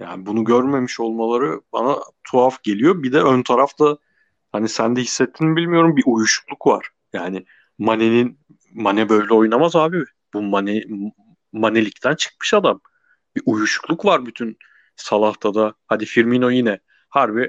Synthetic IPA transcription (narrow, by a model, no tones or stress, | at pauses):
ja̰ːnɪbunuɟøɾme̞miʃo̞lˠmalˠaɾɯba̰nat̪ʰuafɟe̞lʲijo̞bid̪ɛønt̪ʰaɾaft̪ʰa | hanisænd̪ɛhisːɛt̪ʰːinbilʲmijo̞ɾumbiʔujuʃu̥klˠukva̰ɾ̥ | jaːnɪ | manenin | manɛbø̞jlʲɛo̞jnamazaːbibɪ | bumanɛ | manelʲict̪ʰænt͡ʃʰɯ̥k̚mɯ̥ʃad̪am | biʔujuʃu̥klˠukvaɾbyt̪ʰyn | salˠaht̪ʰad̪ahad̪ifiɾmino̞jinɛ | haɾbi